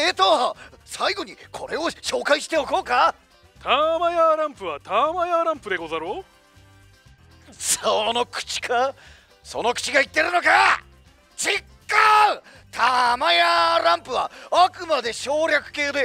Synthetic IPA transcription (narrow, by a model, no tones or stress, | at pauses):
et̪osaiɡo̞ɲ̟ikʰo̞̰ɾe̞o̞ɕo̞ːkaiɕi̥t̪e̞o̞ko̞ːka | t̪ʰamajaɾãmpɯ̟βat̪amajaɾãmpɯd̪e̞ɡozaɾoː | sono̞kɯ̟̥t͡ɕi̥kʰa | so̞no̞kɯ̟̥t͡ɕiɡait̪ːe̞ɾɯ̟no̞ka | t͡ɕikːa | t̪ʰamajaɾãmpɯ̟βaakɯ̟mad̪e̞ɕo̞ːɾʲakɯ̟̥ke̞ːd̪e̞